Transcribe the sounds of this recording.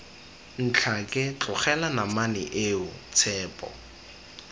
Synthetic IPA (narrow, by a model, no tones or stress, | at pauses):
n̩t͡ɬʰakʼɪt͡ɬʼʊχɛlanamanɪ̰ʔeʊt͡sʰɛːpʼɔ̰